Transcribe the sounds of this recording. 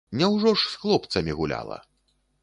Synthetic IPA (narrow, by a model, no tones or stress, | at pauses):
nʲɛwʐɔʂsxlˠɔp̚t̪sɐmʲiɣulʲa̰lˠɐ̰